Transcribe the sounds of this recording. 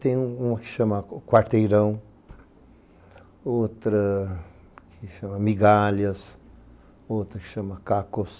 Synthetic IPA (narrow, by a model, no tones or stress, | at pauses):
t̪ẽũki̥ʃɐmakwaɾt̪eɾɐw̃ | ot̪ɾə | kʰiʃɐmamiɡaljɐs | oːt̪ɾəki̥ʃɐmakakos